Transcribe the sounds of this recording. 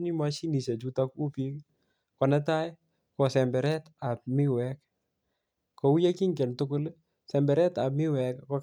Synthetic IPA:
ni˦mwa˦ʃi˦ni˨sɛ˨t͡ʃu˦ta˦ku˦pi˦k | kɔ˨nɛ˦ta˦j | kɔ˨sɛ˨mbɛ˨ɾɛ˦ta˨p̚mɪ˦wɛk | kɔ˨u˦ja˦ki˦ŋɡɛ˨ntʊ˦kʊ˦l | sɛ˨mbɛ˨ɾɛ˦ta˨p̚mɪ˦wɛ˨kkɔ˦k

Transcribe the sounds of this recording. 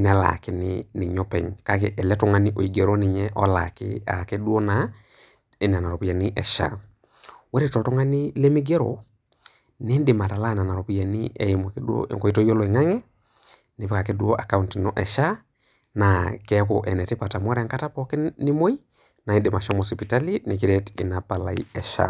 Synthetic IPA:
nɛ˨la̰˨kɪ˦nɪnɪ˨ɲɔ˦pɛ̰˨ɲka˦ke˨ʔɛ˨lɛ˦tɔ˦ŋa˦ni˦ʔo˨i˨ɡe˨ɾo˦nɪ˨ɲɛ˦ʔɔ̰˦la˨kɪ̰˦a̰˨ke˦du˦o˦na˨ | n˨a˨na˨ɾɔ˨pi˦ja˨ni˦ʔɛ˨ʃa̰˦ | wɛ˦ɾe˦tɔ˨tɔ˦ŋa˦nɪ˦le˦mi˦ɡe˦ɾo̰˨ | ne˦ndɪ˨ma˨ta˨la˦˨na˨na˨ɾɔ˨pi˦ja˨ni˦ʔɛ˨m˨ko̰˨ŋko˨i˦to˦jo˦lɔ˨e˨ŋa˦ŋɛ˦ | ne˨˦pka˨ke˦du˦o˦ʔa˨ka˦u˦nti˨nɔ˨ʔɛ˨ʃa˦ | na˨kɛ˦ko̰ʔɛ˨nɛ˨te˦pa˨ta˨mwɔ˦ɾɛ˨ŋka˦ta˦pɔ˦kɪ˦ni˦mo˦i˦ | na˨i˦ndɪ˨ma˨ʃɔ˦mɔ˨sɔ˨pita˦li˦ni˨k̬i˦ɾɛ˦ti˨na˨pa˨la̰˨ḭ˦ɛ˨ʃa̰˦

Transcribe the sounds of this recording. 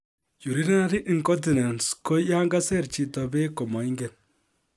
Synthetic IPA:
ju˨ɾi˦ni˦na˦ɾi˦ʔi˦˨ŋkɔ˦ti˨na˨nsko˦ja˦ŋɡa˦sɛ˦˨ɾt͡ʃi˨tɔ˨be˦kɔ˨mɔ˨i˦ŋɡɛ˨n

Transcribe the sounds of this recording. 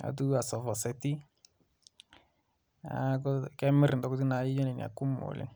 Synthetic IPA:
a̰˨tu˦a˨sɔ˨vɔ˨sɛ˨ti˦ | a˨˦kɔ˦kɛ˦mɪ˦ɾɪ˨n˨dɔ˦kɔ˦ti˦na˨˦ji˦d͡ʒɔ˦nɛ˨n˨a̰˨ku˦mo̰˨lḛ˦n

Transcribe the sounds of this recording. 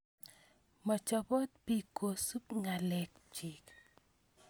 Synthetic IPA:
mɔ˨t͡ʃɔ˨pɔ˦t̪̚pi˦ko˨su˦pŋa˨lɛ˨k̚t͡ʃi˨k

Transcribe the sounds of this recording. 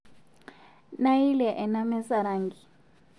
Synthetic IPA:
na˦i˦lɛ˨ʔɛ˨na˦mɛ˦sa˨ɾaː˦ŋɡi˨

